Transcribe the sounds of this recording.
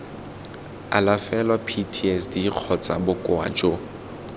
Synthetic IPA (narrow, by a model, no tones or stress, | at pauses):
a̰lafɛlwapʰitʰiɛsdiq͡χʰɔt͡sʼabʊkʼʊa̰ːt͡ʃʼo